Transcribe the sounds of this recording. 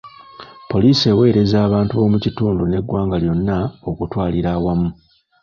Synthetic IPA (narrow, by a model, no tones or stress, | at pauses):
po̞liːse̞we̞ːɾe̞zaːβaːntuβo̞ːmucituːndune̞ɡwaːŋɡaljo̞nːao̞kutwaːliɾaːwamu